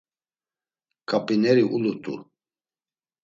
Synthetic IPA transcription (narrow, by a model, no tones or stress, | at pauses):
kʼapʼinɛɾiʔulut̪ʼṵ